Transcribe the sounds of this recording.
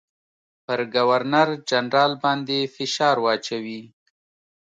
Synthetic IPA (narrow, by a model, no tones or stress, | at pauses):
pəɾɡawaɾnaɾd͡ʒanɾɑlbɑnd̪efɪʃɑɾwɑt͡ʃawi